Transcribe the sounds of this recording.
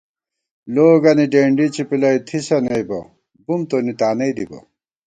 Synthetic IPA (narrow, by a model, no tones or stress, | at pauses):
loːɡɐniɖeːɳɖit͡ɕipilɐjt̪ʰisɐnejbɐ | bumt̪onit̪aːnɐjd̪ibɐ̰